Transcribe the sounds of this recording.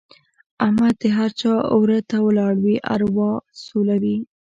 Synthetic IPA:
amad̪əɦaɾt͡ʃɑwɾət̪awəlɑɽwiʔa̰ɾwɑsolawi

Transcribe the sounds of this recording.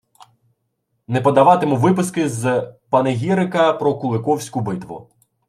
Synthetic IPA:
nɛpɔd̪ɐʋɑt̪emʊʋɪpɪskɪzpɐnɪɦʲiɾɪkɐpɾɔkʊlˠɪkɔwsʲkʊbɪt̪ʋʊ̰

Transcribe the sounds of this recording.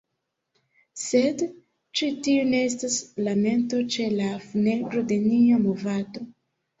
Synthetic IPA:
se̞d | t͡ʃitiune̞es̬taslame̞nto̞t͡ʃe̞lafune̞ɡɾo̞de̞niamovado̞

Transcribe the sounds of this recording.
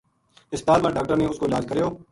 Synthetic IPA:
ɪst̪aːlmãːɖaːk̚ʈəɾnẽʊskoɪlaːd͡ʒkəɾejoː

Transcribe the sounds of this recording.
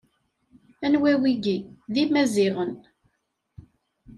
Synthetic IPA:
ænwæwiɡiðimæziʁən

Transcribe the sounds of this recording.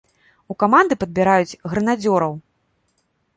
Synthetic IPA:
ukamand̪ɨpɐd̪̚bʲiɾajud͡zʲɣɾɨnad͡zʲɔɾɐw

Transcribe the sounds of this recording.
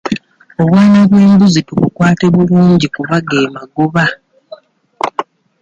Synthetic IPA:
o̞βwaːnaβweːmbuzituβukwaːte̞βuluːɲɟikuβaɡe̞ːmaɡoβa

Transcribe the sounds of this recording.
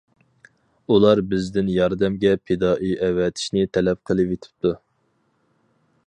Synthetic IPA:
ulˠɑɾbɪzd̪ɪnjɑɾd̪ɛmɡʲɛpʰed̪ɑːʔijʔɛwɛt̪ʰi̥ʃnɪt̪ʰɛlɛp̚qʰəlˠɨpet̪ʰɪ̥p̚t̪ʰu

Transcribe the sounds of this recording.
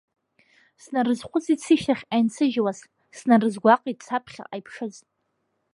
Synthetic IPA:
snarɨzχʷʊt͡sit͡sʰiʃaχʲajnt͡sʰɨʒwaz | snarɨzɡʷaqʼit̚ʼt͡sʰapʰχʲa̰ʔajpʰʂɨz

